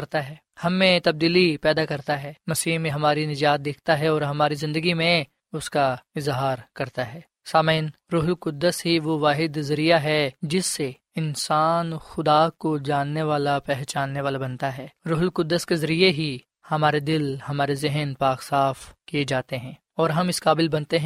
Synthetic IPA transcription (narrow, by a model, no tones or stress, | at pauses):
ɐɾt̪aɦɛː | hɐmːẽt̪ɐb̚d̪iːlipɛːd̪akɐɾt̪aɦɛːmɐsiːɦmẽɦɐmaːɾinɪd͡ʒaːt̪̚d̪eːkʰt̪aɦɛɔːɾɦɐmaːɾizɪ̃nd̪əɡimẽ | ʊskaɪzɦaːɾkɐɾt̪aɦɛː | saːmeːnɾʊɦlqʊd̪ːəsɦiʋoʋaːɦɪd̪zɐɾijaɦɛd͡ʒɪsːe | ɪnsaːnxʊd̪akod͡ʒaːnːeʋaːlapɛɦt͡ʃaːnːeʋaːlabɐnt̪aɦɛːɾʊɦlkʊd̪ːəskezɐɾijeɦi | hɐmaːɾed̪ɪlhɐmaːɾezɪɦənpaːqsaːfkijed͡ʒaːt̪eɦɛ̃ː | ɔːɾɦɐmɪskaːbɪlbɐnt̪eɦɛ̃